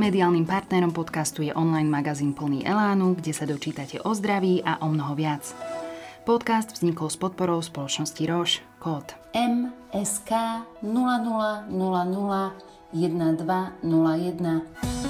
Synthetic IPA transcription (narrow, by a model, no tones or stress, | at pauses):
mɛd̪iaːlnimpaɾt̪nɛɾɔmpɔt̪kast̪ujɛʔɔnlajnmaɡaziːnpl̩nḭːʔɛ̰laːnuɡɟɛsad̪ɔt͡ʃiːt̪acɛʔɔzd̪ɾaʋiːʔaʔɔmnɔɦɔʋɪat͡s | pɔt̪kazd̪vzɲikɔlspɔt̪̚pɔɾɔʊspɔlɔt͡ʃnɔsciɾɔʃ | kɔt̪ | ɛm | ɛskaːnulanulanulanula | jɛd̪̚nad̪ʋanulajɛd̪na